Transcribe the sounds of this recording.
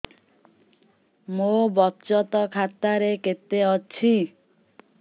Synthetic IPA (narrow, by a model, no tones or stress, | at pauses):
mobɔt͡ʃɔt̪ɔkʰat̪aɾeket̪eɔt͡ʃʰi